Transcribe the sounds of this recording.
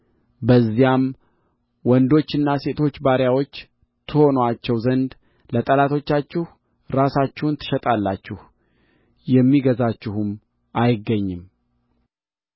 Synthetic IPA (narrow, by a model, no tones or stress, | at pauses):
bəzːijam | wɔnd̪o̞t͡ʃːɨnːase̞t̪ʰo̞t͡ʃːbaɾjawo̞t͡ʃː | t̪ʰɨho̞noat͡ʃːɛwzənd̪ | lət̪ʼəlat̪ʰo̞t͡ʃːat͡ʃːɪh | ɾasat͡ʃːɪhnt̪ʰːɨ̥ʃɛt̪ʼalːat͡ʃːɪh | jɛmːiɡəzat͡ʃːɪhum | ʔajɪɡːəɲːɪm